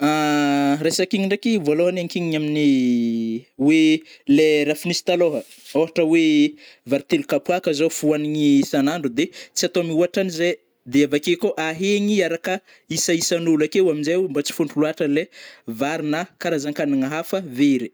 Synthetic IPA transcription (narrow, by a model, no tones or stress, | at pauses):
aɾesakiɲiɳɖ͡ʐekivoloɦanaŋkiɲiamini | weleɾafinisi̥t̪aloɦə | oɦaʈ͡ʂəwevaɾit̪elukapuakəzofuaniŋisanaɳɖ͡ʐud̪et͡siat̪oamiuaʈ͡ʂanize | d̪eavakekoʔaɦeɲiaɾakə | isaisanulakeuaminzembat͡si̥fuɳɖ͡ʐuluaʈ͡ʂəlevaɾinakaɾazaŋkaniŋaɦafəveɾi̥